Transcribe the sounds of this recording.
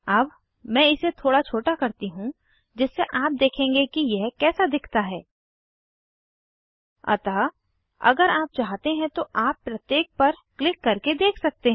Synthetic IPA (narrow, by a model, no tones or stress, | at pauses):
ɐb | mɛ̃ːɪset̪ʰoːɽat͡ʃʰoːʈakɐɾt̪iɦũ | d͡ʒɪsːeʔaːp̚d̪eːkʰẽːŋɡekijɛɦkɛːsad̪ɪkʰt̪aɦɛː | ɐ̰t̪aː | ɐ̰ɡəɾaːp̚t͡ʃaːɦt̪eɦɛ̃t̪oʔaːpːɾɐt̪jeːk̚pɐɾklɪkːɐɾked̪eːkʰsɐk̚t̪eɦ